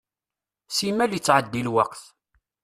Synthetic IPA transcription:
simːælit͡sːʕəd̪ːilwɑqθ

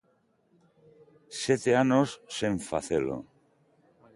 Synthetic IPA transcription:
sjet̪eanosːeɱfa̰θelo̰

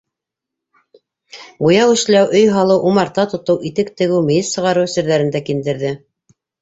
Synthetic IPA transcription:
bujɑwɘ̆ʃlæwʔɵjɦɑlˠɤwʔumɑɾt̪ɑt̪ŏt̪ɤwʔit̪ɘkt̪ɘ̆ɡɘwmɘ̆jɘssɤ̆ʁɑɾɤwsɘ̆ɾðæɾɘ̆nd̪ækind̪ɘ̆ɾðɘ

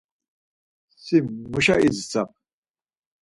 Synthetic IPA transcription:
simːuʃaʔizt͡sap̚

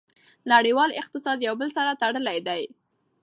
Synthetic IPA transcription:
naɽiwɑlɪq̚t̪ɪsɑd̪jawbəlsaɾat̪aɽəlajd̪aj

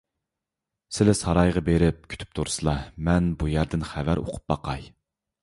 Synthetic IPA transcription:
sɪlɪsɑɾɑjʁɑbeɾɪp̚kʲʰy̥t̪ʰy̥p̚t̪ʰuɾsɨlˠɑmɛnbujæɾd̪ɪnχævæɾʔo̰qʰʊ̥p̚bɑqɑj

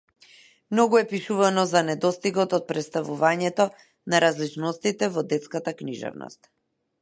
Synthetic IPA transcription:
mnɔɡuɛpiʃuvanɔzanɛd̪ɔst̪iɡɔt̪ɔt̪̚pɾɛt̪st̪avuvaɲɛt̪ɔ | naɾazlit͡ʃnɔst̪it̪ɛvɔd̪ɛt̪skat̪akniʒɛ̰vnɔ̰st̪̚

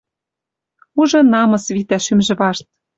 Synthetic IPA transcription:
uʒɤ̆nɑmɤ̆sβit̪æʃymʒɘ̆βɑʃt̪̚

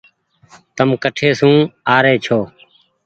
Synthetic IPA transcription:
t̪əmkəʈʰeːsũːaːɾeːt͡ʃʰoː

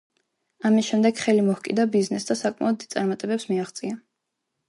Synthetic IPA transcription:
amisʃɛmd̪ɛɡχɛlimɔhkʼḭd̪abiznɛsd̪asakʼma̰ɔd̪ːid̪t̪sʼaɾmat̪ʼɛbɛpsmiaχt̪sʼia

